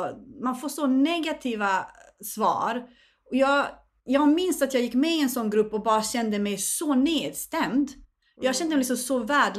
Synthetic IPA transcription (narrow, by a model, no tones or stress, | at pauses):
manfoːɾʂɔnɛɡat̪ʰiːvasvɑ̰ːɾ | ɔjɑːɡ | jɑːɡmɪnsat̪jɑːɡjɪkːmɛɪɛnsɔnːɡɾɵpːɔbɑːɾaɕɛnd̪əmɛjsɔneːd̪st̪ɛmd̪ | jɑːɕɛnd̪əmɛlɪksɔmsɔvæːɖ